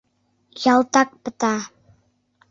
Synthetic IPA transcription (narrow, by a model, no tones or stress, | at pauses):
jɑlˠt̪ɑk̚pɤ̆t̪ɑ